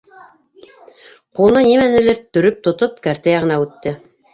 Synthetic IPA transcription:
qulˠnɤnimænɘ̆lɘɾt̪ɵ̆ɾɵp̚t̪ŏt̪opkæɾt̪æjɑʁɤ̆nɑʉt̪ːɘ

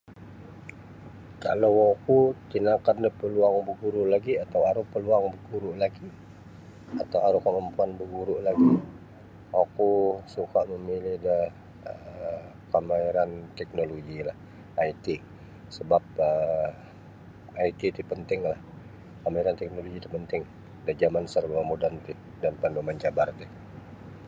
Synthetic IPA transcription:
ka̰lawakut̪inakandəhpəluaŋbəɡuɾuʔlaɡiat̪awaɾʊhpəluaŋbəɡuɾuʔlaɡi | at̪awaɾʊhkaʔməmpuanbəɡuɾuʔlaɡi | akusukaʔməmilɪhdəh | ə | kamaiɾant̪ɛk̚noloɡilah | ait̪i | səbap̚ə | ait̪it̪ipənt̪ɪŋlah | kamaiɾant̪ɛk̚noloɡit̪ipənt̪ɪŋ | dad͡ʒamansərbuamodant̪ɪ | danpandumant͡ʃabart̪ɪ

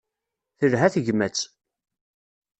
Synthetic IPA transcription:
θəlɦæθəʝmæt͡sː

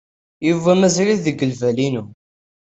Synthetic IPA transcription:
juvæmæzɾiðəɡːəlvælinu

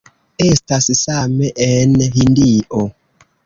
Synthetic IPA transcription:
estasisameʔenhindiʔo

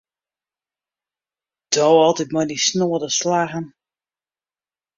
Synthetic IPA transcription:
d̥owɔlˠtit̚mɔjnisnoədəslaɣən

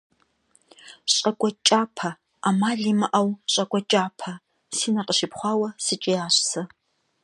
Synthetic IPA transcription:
ɕʼɐkʷɔt͡ʃʼaːpʰɐ | aːmaːɮiːmɨʔɐwɕʼɐkʷʼɔt͡ʃʼaːpʰɐ | siːnɐqəʃɪpχʷɑːwɐsɨt͡ʃʼɪjaːɕsɐ

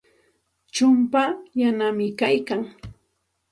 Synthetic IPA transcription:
t͡ʃʊmpajanamɪkajkaŋ

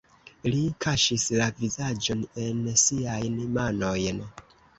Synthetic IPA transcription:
likʰaʃislavizad͡ʒo̞ne̞nsiajnmano̞jn

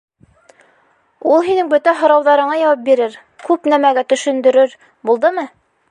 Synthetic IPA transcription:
ulˠɦinɘŋbɵt̪æɦŏɾɑwðɑɾɤ̆ɴɑjɑwɑp̚biɾɘɾ | kʉpnæmæɡæt̪ɵ̆ʃɵ̆nd̪ɵ̆ɾɵɾ | bulˠd̪ɤmɤ

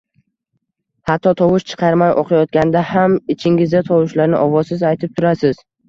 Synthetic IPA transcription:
hat̪ʰːɒt̪ʰɒwʊʃt͡ʃʰɨ̥qʰɑɾmajʔo̰qʰɑjɒt̪̚kʲand̪ahamɪt͡ʃʰɪŋɪzd̪at̪ʰɒwʊʃlaɾnɪʔɒvɒzsɪzajt̪ʰɪp̚t̪ʰʊɾasɪz̥

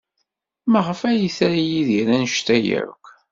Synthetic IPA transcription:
mæʁəfæjiθæɾijiðiɾænəʃt̪æjə̰ɾ̰kʷ

